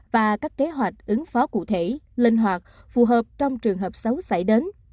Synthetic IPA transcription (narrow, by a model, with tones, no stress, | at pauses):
vaː˨˩kaː˦˥kːe˨˦ɦwa˨˩jk̟̚ʔɨ˨˦ŋfɔ˨˦kṵ˧˩t̪ʰe˧˩lï˧ŋ̟ɦwaː˨˩k̚fu˨˩ɦəː˨˩p̚t͡ɕɔ˧wŋ͡mt͡ɕɨ˨˩əŋɦəː˨˩p̚sə˨˦wsə̰˧˩jɗe˨˦n